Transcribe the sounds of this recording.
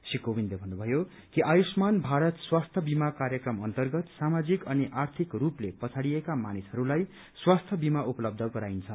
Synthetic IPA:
sikobinlebʱʌnːubʱʌjo | kiʔajusmanbʱaɾʌt̪swast̪ʰjʌbimakaɾjʌkrʌmʌnt̪ʌrɡʌt̪samad͡zikʌniʔart̪ʰikruplepʌt͡sʰaɽijekamanisʌɾulaj | swast̪ʰjʌbimaʔupʌlʌb̚d̪ʱʌɡʌɾajint͡sʰʌn

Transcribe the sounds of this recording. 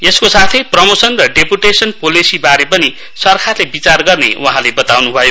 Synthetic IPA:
eskosat̪ʰʌjprʌmosʌnrʌɖepuʈesʌnpolisibaɾepʌni | sʌrkʰarlebit͡sarɡʌrnḛwʔaɦãlebʌt̪awnubʱʌjo

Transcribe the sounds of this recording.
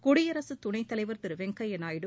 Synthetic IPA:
kʊɽɪjɐɾɐsɯt̪ʊɳɐɪt̪ːɐlɐɪʋɐɾt̪ɪɾɯʋɛŋkɐjɐnaːjɪɽɯ

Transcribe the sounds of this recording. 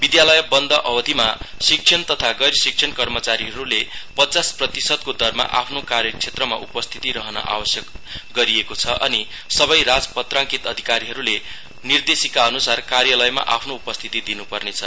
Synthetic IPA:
bid̪jalʌjbʌnd̪ʱʌʔʌbʌd̪ʱimasik̚t͡sʰʌnt̪ʌt̪ʰaɡʌɾsik̚t͡sʰʌnkʌrmʌt͡saɾiɦʌɾulepʌt͡sasprʌt̪isʌd̪̚kod̪ʌrma̰ʔa̰pʰnokaɾjʌkt͡sʰet̪rʌma̰ʔupʌst̪ʰi̥t̪iɾʌɦʌnʌ̰ʔa̰wʌsjʌkɡʌɾiekot͡sʰʌʔʌ̰ni | sʌbʌjrad͡zpʌt̪rãŋkit̪ʌd̪ʱikaɾiɦʌɾule | nird̪esikaʌnusarkarjʌlʌjma̰ʔapʰnoupʌst̪ʰit̪id̪inupʌrnet͡sʰʌ

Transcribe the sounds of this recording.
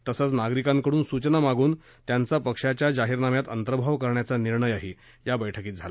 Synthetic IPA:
t̪əsət͡snaɡɾikãŋkəɽuːnsut͡ɕənamaɡuːn | t̪jant͡sapəkʂat͡ɕjad͡zaɦiːɾnamjat̪ənt̪əɾəbʱaʋkəɾɳjat͡saniɾɳəjaɦe | jabəjʈʰəkiːt̪d͡zʱala

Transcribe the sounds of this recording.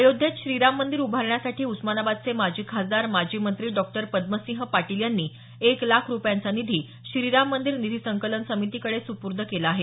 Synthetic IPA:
əjod̪ʱjet̪ɕɾiɾamːənd̪iɾubʱaɾɳjasaʈʰiːusmanabad̪̚t͡semad͡ʑikɦad͡zaɾmad͡ʑimənt̪ɾiːɖɔk̚ʈəɾpəd̪̚məsĩɦpaʈiljanːiː | eklakʰɾupjant͡sanid̪ʱiː | ɕɾiɾamːənd̪iɾnid̪ʱisəŋkələnsəmit̪ikəɽesupuɾd̪ʱəkelaaɦe

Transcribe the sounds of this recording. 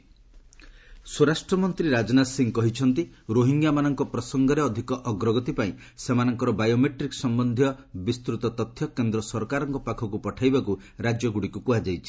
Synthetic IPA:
suɾasʈɾɔmɔnt̪ɾiɾad͡ʒɔnasiŋkɔɦit͡ʃʰɔnt̪iɾoɦiŋɡjamanɔŋkɔpɾɔsɔŋɡɔɾeɔd̪ʱikɔʔɔɡɾɔɡɔt̪ipaĩ | semanɔŋkɔɾɔbajomeʈɾiksɔmbɔnd̪ʱijɔbist̪ɾut̪ɔt̪ɔt̪ʰːjɔkend̪ɾɔsɔɾkaɾɔŋkɔpakʰɔkupɔʈʰajbaku | ɾad͡ʒjɔɡuɽikupuɦad͡ʒajt͡ʃʰi̥

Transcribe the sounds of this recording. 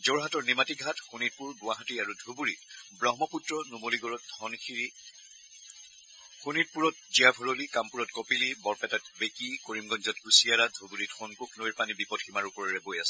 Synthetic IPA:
zoɹɦatɔɹnimatiɡʱatxunit̚puɹɡʊwaɦatiaɹudʱubuɹitbɹɔɦmɔputɹɔnumoliɡɔɹɔtdʱɔnkʰiɹi | xunit̚puɹɔt̚ziabʱuɹolikampuɹɔtkopilibɔɹpɛtat̚bekikoɹimɡɔnzɔtkusiaɹadʱubuɹitxɔŋkukʰnojɹpanibipɔdximaɹupɔɹɛɹɛbojasɛ

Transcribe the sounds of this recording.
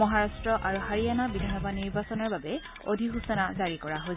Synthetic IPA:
mɔɦaɹastɹɔʔaɹuhaɹijanabidʱanɔbaniɹbasɔnɔɹbabɛ | odʱiɦusanazaɹikɔɹaɦo

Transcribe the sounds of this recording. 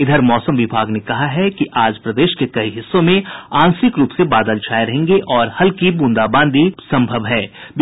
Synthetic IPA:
ɪd̪ʱəɾmɔːsəmʋɪbʱaːɡnekɐɦaɦɛkiʔaːd͡ʒpɾɐd̪eːʃkekɐiɦɪsːõmẽãːnsɪkɾuːpsebaːd̪əlt͡ʃʰaːjɾɐɦẽːŋɡeʔɔːɾhɐlkibũːnd̪abãːnd̪isɐ̃mbʱəʋɦɛːb

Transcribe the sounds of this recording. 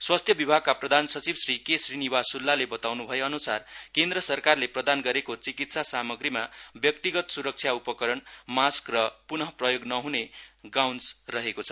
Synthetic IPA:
swast̪ʰjʌbibʱaɡ̚kaprʌd̪ʱansʌt͡sibsrikesrinibasulːalebʌt̪awnubʱʌjeʌnusarkend̪rʌsʌrkarleprʌd̪anɡʌɾekot͡sikit̪sasamʌɡrimabjʌk̚t̪iɡʌt̪suɾʌk̚t͡sʰjaupʌkʌɾʌnmaskrʌpunʌprʌjoɡnʌɦuneɡawnsrʌɦekot͡sʰʌ̥

